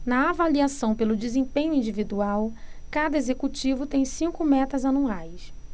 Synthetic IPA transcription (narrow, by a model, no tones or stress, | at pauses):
nɐavaliasɐ̃w̃pelʊd͡ʒizẽpẽɲʊĩd͡ʒivid̪uawkad̪ɐezekut͡ʃivʊt̪ẽj̃sĩŋkʊmɛt̪ɐzanuajs